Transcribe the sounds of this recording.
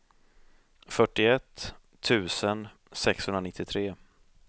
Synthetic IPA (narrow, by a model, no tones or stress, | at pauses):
fœʈːɪɛt̪ʰː | ʉ̟ːsən | sɛkshɵnɾanɪt̪ʰːɪt̪ʰɾeː